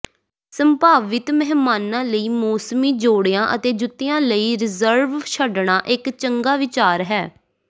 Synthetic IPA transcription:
səmpaːʋɪt̪mɛɦmaːnãːləiːmɔːsəmiːd͡ʒoːɽɪjãːʔət̪eːd͡ʒʊt̪ːɪjãːləiːɾɪzəɾʋʃʰəɖɳaːʔɪkt͡ʃəŋɡaːʋɪt͡ʃaːɾɦɛː

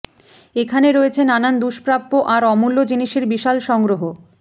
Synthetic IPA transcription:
ekʰaneɾoet͡ɕʰenanand̪uʃpɾapːoʔaɾɔmulːod͡ʑiniʃeɾbiʃalʃɔŋɡɾoɦo

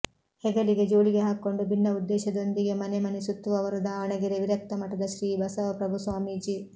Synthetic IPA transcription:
hɛɡɐliɡe̞d͡ʒoːɭiɡeɦaːkːo̞ɳɖubʱinːɐud̪ːɛːʃɐd̪o̞nd̪iɡemɐnemɐnisut̪ːuʋɐʋɐɾud̪aːɐɳɐɡiɾeʋiɾɐk̚t̪ɐmɐʈːɐd̪ɐʃɾiːbɐsɐʋɐpɾɐbʱusʋaːmiːd͡ʒi

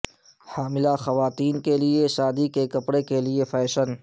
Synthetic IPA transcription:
haːmɪlaxɐʋaːt̪iːnkelieʃaːd̪ikekɐpɽekeliefʰɛːʃən

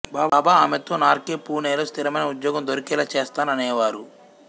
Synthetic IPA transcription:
baːbːbaaːmet̪oːnaːɾkeːpuːneːlost̪ʰiɾɐmɐjnɐud̪jɔːɡɐmd̪oɾikɛːlɐt͡ʃeːst̪aːnɐnɛːʋaːɾu

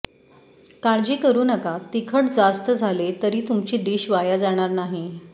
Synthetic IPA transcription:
kaɭd͡ʑiːkəɾuːnəkat̪ikʰəʈd͡zast̪əd͡zʱalet̪əɾiːt̪umt͡ɕiːd̪iːɕʋajad͡zaɽ̃aɾnaɦi

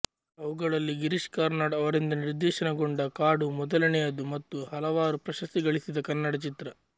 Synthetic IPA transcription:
ɐʋuɡɐɭɐlːiɡiɾiʂkaːɾnaːɽɐʋɐɾind̪ɐniɾd̪ɛːʃɐnɐɡoɳɖɐkaːɽumɔd̪ɐlɐnɛjɐd̪umɐt̪ːuhɐlɐʋaːɾupɾɐʃɐst̪iɡɐɭisid̪ɐkɐnːɐɽɐt͡ʃit̪ɾɐ

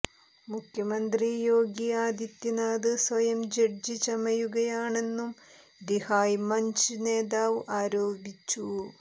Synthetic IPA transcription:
mukʰjɐmɐnd̪rijoːɡiaːd̪jit̪ːɐnaːd̪ɨsʋɐjɐmd͡ʑeɽd͡ʑit͡ɕɐmɐjuɣɐjaːɳe̞nːum | d̪ihaːjmɐɲt͡ɕineːd̪aːʋʔaːɾoːbit͡ɕːu

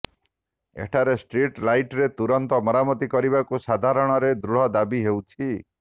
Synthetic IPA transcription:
ḛʈʰaɾesʈɾiʈlajʈɾet̪uɾɔnt̪ɔmɔɾamɔt̪ikɔɾiβakusad̪ʱaɾɔɽ̃ɔɾed̪ɾuɽ̤ɔd̪abiɦewt͡ʃʰi

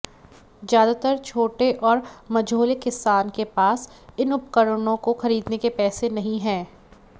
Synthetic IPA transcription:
zjaːd̪at̪əɾt͡ʃʰoːʈeʔɔːɾmɐd͡ʒoːlekɪsaːnkepaːsɪnʊp̚kəɾənõkoxɐɾiːd̪nekepɛːsenɐɦĩɦɛ̃ː

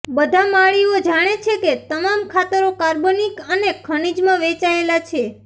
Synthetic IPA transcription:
bəd̪ʱamaɭiod͡ʒaɽ̃et͡ʃʰeket̪əmamkʰat̪əɾokaɾbonikənekʰəɽ̃id͡ʒmãʋet͡ʃaelat͡ʃʰe

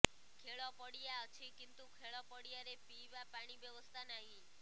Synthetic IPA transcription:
kʰeɭɔpəɽijaət͡ʃʰikint̪ukʰeɭɔpəɽijaɾepiʋapaɽ̃ibjəʋəst̪ʰanaɦĩ

